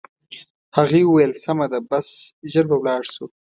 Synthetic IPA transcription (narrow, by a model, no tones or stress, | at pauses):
haɣiwʊwajelsamad̪abasʒəɾbawlɑːɽsu